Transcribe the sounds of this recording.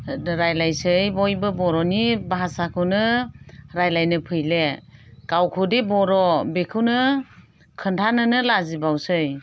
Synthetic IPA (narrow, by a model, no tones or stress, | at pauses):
ɾajlajsɯjbɔjbɯbɔɾɔnibaɦasakʰɯwnɯ | ɾajlajnɯpʰɯjleɡ̥awkʰɯdebɔɾɔbekʰɯwnɯ | kʰɯntʰanɯnɯlazibawsɯj